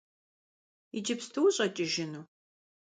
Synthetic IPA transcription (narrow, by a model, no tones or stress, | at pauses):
id͡ʒɪpstʰɨwɕʼɐt͡ʃʼɪʒɪnuː